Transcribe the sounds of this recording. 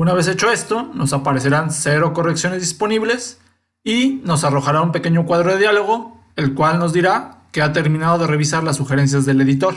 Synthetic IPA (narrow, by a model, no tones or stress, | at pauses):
unaβe̞s̬e̞t͡ʃo̞e̞st̪o̞no̞sapaɾe̞se̞ɾanse̞ɾo̞ko̞reksjo̞ne̞zðispo̞niβle̞s | ino̞saro̞xaɾaumpe̞ke̞ɲo̞kwaðɾo̞ðe̞ðjalo̞ɣ̞o̞ | elkwalno̞zðiɾake̞at̪e̞ɾmĩnað̞o̞ðe̞re̞β̞isaɾlasːuxeɾe̞ns̬jazðe̞le̞ðit̪o̞ɾ